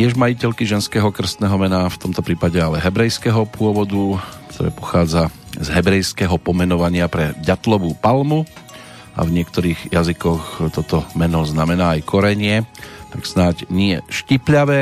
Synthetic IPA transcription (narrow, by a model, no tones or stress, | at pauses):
t̪ɪɛʒmajicɛʎkiʒɛnskɛːɦɔkr̩st̪nɛːɦɔmɛnaft̪ɔmt̪ɔpɾiːpaɟɛalɛɦɛbɾɛjskɛːɦɔpʊɔʋɔd̪ukt̪ʰɔɾɛ̰ːpɔ̥xaːd͡zazɦɛbɾɛjskɛɦɔpɔmɛnɔʋaɲɪapɾɛɟat̪lɔʋuːpalmu | a̰vɲɪɛkt̪ɔɾiːɣjazikɔxt̪ɔt̪ɔmɛnɔznamɛnaːajkɔɾɛɲɪɛt̪aksnaɟɲɪɛʃcipʎaʋɛː